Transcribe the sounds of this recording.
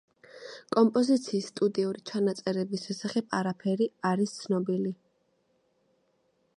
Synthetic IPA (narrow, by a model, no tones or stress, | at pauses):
kʼɔmpʼɔzit̪sʰiːsːt̪ʼud̪iuɾit͡ʃʰanat̪sʼɛɾɛbisʃɛsaχɛbaɾapʰɛɾiaɾist̪sʰnɔbili